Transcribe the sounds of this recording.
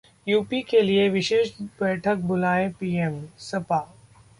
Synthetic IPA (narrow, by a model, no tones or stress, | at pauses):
juːpikelieʋɪʃeːʃbɛːʈʰək̚bʊlaːepiːemsɐpaː